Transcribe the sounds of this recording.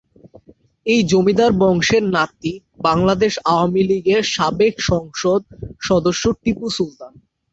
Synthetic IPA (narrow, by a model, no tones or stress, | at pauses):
ejd͡ʑomid̪aɾbɔŋʃeɾnat̪i | baŋlad̪eʃaoamiliɡeɾʃabekʃɔŋʃod̪̚ʃɔd̪oʃːoʈɾipusult̪an